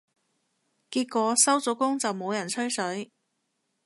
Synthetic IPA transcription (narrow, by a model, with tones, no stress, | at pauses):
kiː˧t̚kʷɔː˨˥sɐ˥wt͡sɔː˨˥kʊ˥ŋt͡sɐ˨wmo˨˧wjɐ˨˩nt͡sʰɵ˥ɥsɵ˨˥ɥ